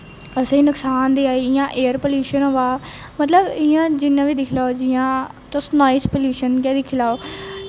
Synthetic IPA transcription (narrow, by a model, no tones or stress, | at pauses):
əsẽːnʊksaːnd̪iːaːiːɪjãːʔeːəɾpəljuːʃənoʋaː | mət̪ləbɪjãːd͡ʒɪnːãːʋiːd̪ɪkʰlaːoːd͡ʒɪjãːtosnɔːjspəljuːʃənkɛːd̪ɪkʰɪlaːoː